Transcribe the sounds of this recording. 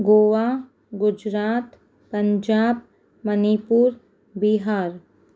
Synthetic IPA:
ɡoːʋaː | ɡʊd͡ʒɾaːt̪ | pɐɲd͡ʒaːb̚ | mɐnipuːɾ | biɦaːɾ

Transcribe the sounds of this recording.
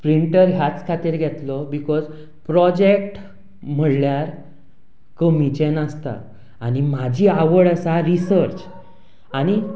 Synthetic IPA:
pɾiɳʈəɾɦjat͡skʰat̪iːɾɡʱɛt̪lɔbikɔz | pɾɔd͡ʑek̚ʈ | m̤əɽljaɾ | kəmit͡ɕenəst̪a̰ː | ñimad͡ʑʱiːaʋəɽəsaɾisəɾt͡ɕ | añi

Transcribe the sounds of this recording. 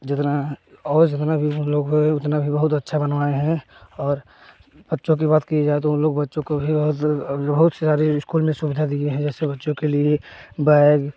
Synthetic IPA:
d͡ʒɪt̪naɔːɾd͡ʒɪt̪nabʱiʊnloːɡɦoeʊt̪nabʱibəɦʊt̪ɐtːʃʰabənʋaːeɦɛ̃ɔːɾ | bətːʃõk̬ibaːt̪kied͡ʒaːet̪̬oʊnloːɡbɐtːʃõkobʱibɐɦʊt̪bɐɦʊt̪sesaːɾiɪskuːlmẽsʊbɪd̪ʱad̪ieɦɛ̃d͡ʒɛːsebɐtːʃõkeliebɛɪɡ

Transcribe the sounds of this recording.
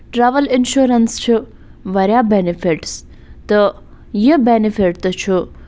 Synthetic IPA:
ʈɾaːʋəlɪnʃuɾənst͡ʃʰi | ʋɐɾjabenifiʈs | t̪ə | jibenifʰiʈt̪ət͡ʃʰu

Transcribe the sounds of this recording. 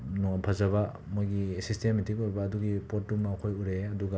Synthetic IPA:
nɔpʰɐzɐβa | mojɡiesistemitikuɾbaːduɡipot̚ːummakʰojuɾeɐduɡa

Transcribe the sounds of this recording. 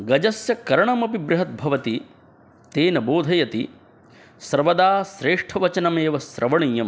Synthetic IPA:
ɡɐd͡ʒɐsjɐkɐɾɐɳɐmɐpibɾɐɦɐt̪̚bʱɐʋɐt̪i | t̪eːnɐboːd̪ʱɐjɐt̪i | sɐɾʋɐd̪aːsɾeːʂʈʰɐʋɐt͡ʃɐnɐmeːʋɐsɾʔɐʋɐɳ̃ijɐm

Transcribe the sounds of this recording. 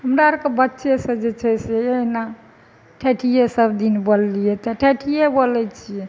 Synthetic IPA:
ɦəmɾaəɾkebətːʃʰesə̃d͡ʒet͡ʃʰɛseena | ʈʰeʈʰijesəbd̪inbəlːijɛt̪ɔʈʰeʈʰijebolɛt͡ʃʰijɛ

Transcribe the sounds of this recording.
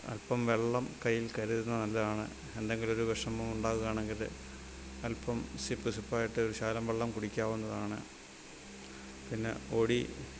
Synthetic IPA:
ɐ̰lpɐmʋe̞ɭːɐmkɐjːilkɐɾuðunːɐnɐlːɐðaːɳɨ̰ | e̞nd̪eŋɡilo̞ɾuʋɐʂɐmumuɳɖaːɣuɣaːɳeŋɡilɨ̰ | ɐlpːɐmsipːɨsupːaːjiʈːɨoɾuɕaːlɐmʋe̞ɭːɐmkuɽikʲːaːʋunːɐðaːɳɨ̰ | pinːe̞̰oɽi

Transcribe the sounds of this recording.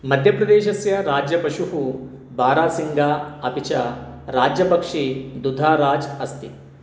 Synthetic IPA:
mɐd̪ʱjɐpɾɐd̪eːʃɐsjɐɾaːd͡ʒjɐpɐʃuɦu | baːɾaːsiŋɡaːɐpit͡ʃɐɾaːd͡ʒjɐpɐkʂid̪ud̪ʱaːɾaːd͡ʒɐst̪i

